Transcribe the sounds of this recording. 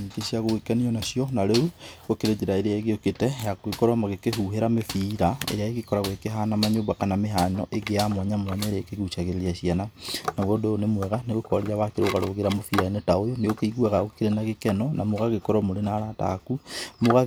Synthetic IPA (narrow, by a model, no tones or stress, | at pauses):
ikeʃjaɣoɣekaniɔnaʃjɔnaɾeuɣokeɾed͡ʒeɾaeɾeaeɣeoketɛjakwekoɾwamaɣekehuɦeɾamefiɾaḛeaeɣekɔɾaɣwekeɦanamaɲoːmbakanameɦanɔʔeɡeamwaɲamwaɲaeɾekeɣut͡ʃaɣeɾeliaʃjananawodoonemwɛɣaneɣokɔɾiɾaβakeɾoɣaɾo̰ɣeɾamofiɾaenetaojoneokeiɣwaɣaɣokeɾenaɣekɛnɔnamoɣaɣekoɾwamoɾenaɾata̰kumoɣa